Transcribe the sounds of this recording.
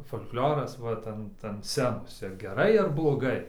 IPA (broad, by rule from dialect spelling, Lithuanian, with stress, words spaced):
foːlʲklʲoːrɐs ˈʋɐt ɐnt ɐnt ˈsʲt͡sʲæːnoːs ɪr ɡʲɛˈrɐɪ ɪr blˠoːˈɡɐɪ